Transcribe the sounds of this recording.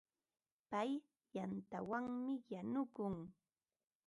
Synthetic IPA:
paj | jant̪awaŋmɪjanʊkʊŋ

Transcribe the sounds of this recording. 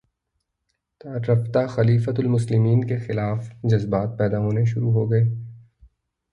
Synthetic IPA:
t̪aːɾɾɐft̪axɐliːfət̪ʊlmʊslɪmiːnkexɪlaːfd͡ʒɐzbaːt̪̚pɛːd̪aɦoːneʃʊɾuɦoːɡɐeː

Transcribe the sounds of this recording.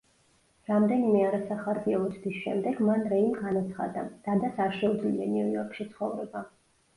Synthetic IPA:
ɾamd̪ɛnimɛaɾɛsaχaɾɡiaut̪ʰd̪isʃɛ̰md̪ɛɡmanɾɛimɡanat̪sʰχa̰d̪ad̪̥ad̪asaɾʃɛud̪zlianiujɔɾkʰʃit̪sʰχɔvɾɛba

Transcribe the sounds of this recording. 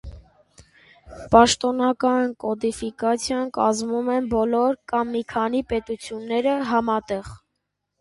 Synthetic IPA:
pɑʃt̪ɔnɑkɑnkɔd̪ifikɑt͡sʰjɑnkɑzmumɛnbɔlɔɾkɑmːikʰɑnipɛt̪ut͡sʰjunːɛɾəɦɑmɑt̪ɛʁ

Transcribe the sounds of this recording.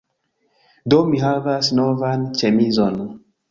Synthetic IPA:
domiɦavasnɔvant͡ʃɛmizɔnɔ

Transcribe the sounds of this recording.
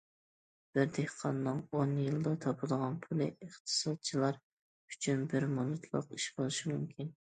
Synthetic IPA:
b̥ɪɾd̪ehqʰɑnːɨŋonjɨlˠd̪ɑt̪ʰɑpʰɨd̪əʁɑnpʰulˠɨəχt̪ʰɨ̥sɑd̪̚t͡ʃʰilˠɑɾ | yt͡ʃʰynbɪɾmunɨt̪ʰlˠə̰qiʃbolˠɨʃimumkʲʰin

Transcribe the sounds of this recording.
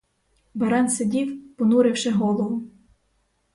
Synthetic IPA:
bɐɾɛnsedʲiwpɔnuɾɪwʃɪɦɔlˠɔʋʊ

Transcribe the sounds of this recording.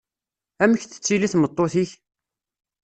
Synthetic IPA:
æməçθə̥t͡sːiliθmət̪ˤːoθiç

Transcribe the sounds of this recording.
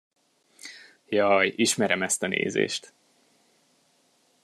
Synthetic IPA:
jɒjiʃmɛɾɛmɛst̪ɒnʔḛːzḛːʃt̪

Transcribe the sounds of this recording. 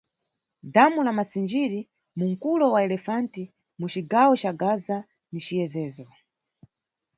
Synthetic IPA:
damulamasind͡ʒiɾi | muŋ̩kulɔwaɛlɛfanti | mut͡ʃiɡawɔt͡ʃaɡaza | nit͡ʃijɛzɛːzɔ

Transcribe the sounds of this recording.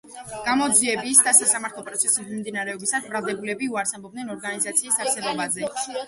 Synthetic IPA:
ɡ̥amɔd̪ziɛbisd̪asasamaɾt̪ʰlˠɔpʼɾɔt̪sʰɛsismimd̪inaɾɛɔbisasbɾalˠd̪ɛbulɛbiuaɾsabɔb̚d̪nɛnɔɾɡanizat̪sʰiːsaɾsɛbɔbazɛ

